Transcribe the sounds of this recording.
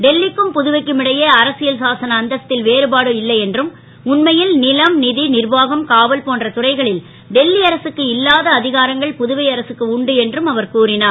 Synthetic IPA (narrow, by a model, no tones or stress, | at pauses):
ɖɛlːɪkːɯmpʊðɯʋɐɪkːɯmɪɽɐjɐːɐɾɐsɪjɐlsaːsɐnɐːnd̪ɐɐt̪ːɪlʋeːɾɯbaːɽɯɪlːɐɪɛndrɯm | ʊnmɐjɪlnɪlɐmnɪðinɪrbaːɣɐmkaːʋɐlpoːndrɐt̪ʊrɐɪɣɐɭɪl | ɖɛlːiɐɾɐsɯkːɯɪlːaːðɐːðɪɣaːɾɐŋɡɐɭpʊðɯʋɐɪɐɾɐsɯkːɯʊɳɖɯɛndrɯmɐʋɐɾkuːrɪnaː